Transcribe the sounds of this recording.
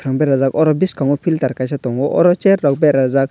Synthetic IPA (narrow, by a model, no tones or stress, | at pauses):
t̪ʰɾaŋbɛɾazakɔɾɔbiskaŋɔpʰilt̪aɾkaʃ̬at̪ɔŋɡɔʔɔ̰ɾɔt͡ʃɛɾːɔk̚bɛɾazak̚